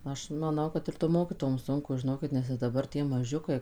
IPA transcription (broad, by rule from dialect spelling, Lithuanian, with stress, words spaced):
ˈɐʃ mɐˈnɐʊ ˈkɐt ɪr toːm ˈmoːkʲiːtoːjoːm ˈsʊŋkʊ ʒʲɪˈnoːkʲɪt nʲɛs ɪr dɐˈbɐr ˈtʲiɛ mɐˈʒʲʊkɐɪ